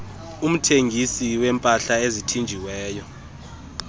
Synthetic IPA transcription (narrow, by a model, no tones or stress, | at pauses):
um̩tʰeŋɡʱisiwɛmpʼaɬaezitʰind͡ʒʱiwɛːjɔ